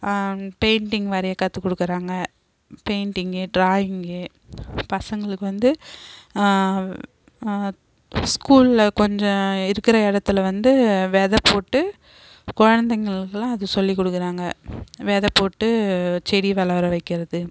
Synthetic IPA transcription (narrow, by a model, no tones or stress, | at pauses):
peːɳʈɪŋɡʋɐɾɐjɐkːɐt̪ːɯkːɔɽɯkːɯɾaːŋɡɐ | peːɳʈɪŋɡɯɖɾaːjɪŋɡɯ | pɐsɐŋɡɐɭɯkːɯʋɐnd̪ɯ | skuːlɪlɐkɔɲd͡ʒɔ̃ɪɾɯkːɪɾɐɪɽɐt̪ːɯlɐʋɐnd̪ɯʋeːðɐpoːʈːɯ | kɔɻɐnd̪ɐŋɡɐɭɯkːɯlãːɐðɯsɔlːikɔɽɯkːɯɾaːŋɡɐʋeːðɐpːoːʈːɯt͡ʃɛɽiʋɐlɐʋɐɾɐʋɐɪkːɪɾɐðɯ